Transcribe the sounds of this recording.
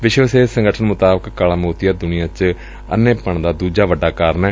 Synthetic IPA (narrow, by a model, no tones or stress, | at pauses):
ʋɪʃʋəseːsə̃ŋɡəʈʰənmʊt̪aːbəkkalaːmoːt̪ɪjaːd̪ʊnijãːt͡ʃ | ə̰nːẽːpəɳd̪aːd̪uːd͡ʒaːʋəɖːaːkaːɾəɳɛː